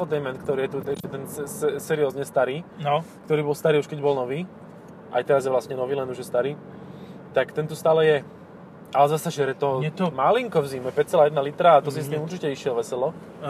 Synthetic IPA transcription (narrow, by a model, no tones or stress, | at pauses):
ɔd̪ɛmɛnt̪kt̪ɔɾiːjɛt̪uɛʃcɛt̪ɛnsɛsɛsɛɾijɔzɲɛst̪aɾiːkt̪ɔɾiːbɔlst̪aɾiːuʃkɛɟbɔlnɔʋiː | ʔa̰jt̪ɛɾazjɛʋlasɲɛnɔʋiːlɛnuʒjɛst̪aɾiː | t̪akt̪ɛnt̪ust̪aːlɛjɛ | ʔalɛzasɛʃɪɛɾɛt̪ɔmaliŋkɔʋziːmɛpɛct͡sɛlaːjɛd̪nalit̪ɾaːt̪ɔs̬is̬t̪iːmuɾʒicɛiʃɪɛɔʋɛsɛlɔ